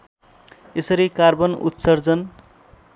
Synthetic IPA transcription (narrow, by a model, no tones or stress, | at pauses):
esʌɾikarbʌnṵt̪sʌrd͡zʌn